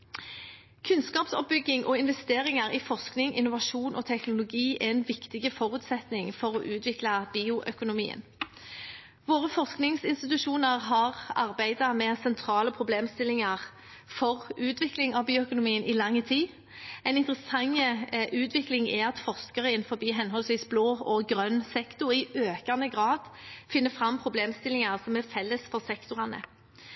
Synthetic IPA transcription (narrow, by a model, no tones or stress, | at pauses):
kʰʉnskɑːpsɔ̰p̚bʏɡːɪŋʔɔɪnʋɛst̪eːʁɪŋəʁɪfɔʁsknɪŋɪnːʊʋɑʃuːnʔɔt̪ʰɛknʊlʊɡiːʔɛɛnʋɪkt̪ɪɡəfɔʁʉːt̪sɛt̪nɪŋfɔʁɔʔʉːt̪ʰʋɪklɑbiːʊʔœkʊnʊmḭːə̰n | ʋoːʁəfɔʁsknɪŋsɪnst̪ɪt̪ʉʃuːnəʁɦɑʁɑʁbæɪd̪ɑmɛsɛnt̪ʰɾɑːləpʰʁʊbleːmst̪ɪlɪŋɑʁ | fɔʁʉːt̪ʋɪklɪŋɑbiːʊœkʊnʊmiːənʔɪlɑŋːət̪ʰiː | ɛɪnɪnt̪ɾəsɑŋːəʔʉːt̪ʰʋɪklɪŋɛɑt̪fɔʁskəʁəɪnfɔbiːɦɛnɦɔlsʋiːsbloːɔɡʁœnsɛkt̪ʊʁɪʔøːkɑnəɡʁɑːd̪fɪnːəfʁɑmpʰɾʊbleːmst̪ɪlɪŋɑʁsɔmæfɛlːəsfɔʁsɛkt̪ʊʁɑnə̰